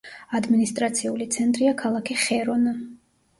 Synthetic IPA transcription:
ad̪minist̪ʼɾat̪sʰiulit̪sʰɛnt̪ʼɾiakʰalˠakʰiχɛɾɔna

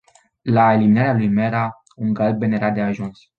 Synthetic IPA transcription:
laeliminaɾealujmɛɾa | ũŋɡalbeneɾad̪eaʒũns

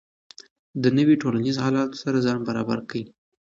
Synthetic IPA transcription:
d̪ənəweʈolanizhɑlɑt̪o̥saɾazɑnbaɾɑ̰ba̰ɾkawi

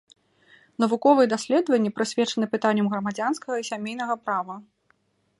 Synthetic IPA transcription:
nɐvukɔvɨjɛd̪asʲlʲɛd̪vɐnʲːɛpɾɨsʲvʲɛt͡ʂɐnɨpɨt̪anʲːɐmɣɾɐmad͡zʲanskɐɣɐisʲamʲejn̪ɐɣɐpɾavɐ

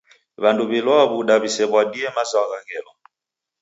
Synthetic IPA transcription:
βanduβilwɔaβuɗaβisɛβwadiɛmazaaɣaɣɛlɔ

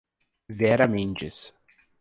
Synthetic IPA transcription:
vɛɾɐmẽnt͡ʃɪs

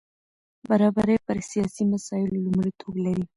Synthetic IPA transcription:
baɾɑbaɾejpəɾsijɑsimasɑɪlolumɽit̪ʰoɡlaɾi

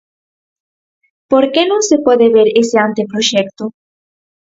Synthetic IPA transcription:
poɾkenõŋsepwɔðeβeɾeseant̪epɾoʃɛk̚t̪o

